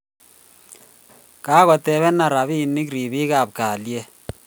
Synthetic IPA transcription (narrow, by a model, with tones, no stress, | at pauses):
ka˦ɣɔ˨tɛ˨˦βɛ˦na˨ɾa˨βi˦ni˦kɾi˨βi˦ka˨p̚ka˨lje˦